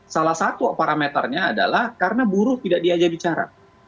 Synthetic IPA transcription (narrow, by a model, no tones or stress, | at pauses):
salahsat̪uwaʔ̚paɾamet̪ərɲaːda̰lahkaɾənabuɾʊht̪idak̚diad͡ʒabit͡ʃaɾa̰